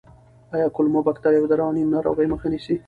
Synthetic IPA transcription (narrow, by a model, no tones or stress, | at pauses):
ɑjɑkʊlmobakt̪aɾjawd̪aɾɑnimnaɾo̰ɣəjməxanisi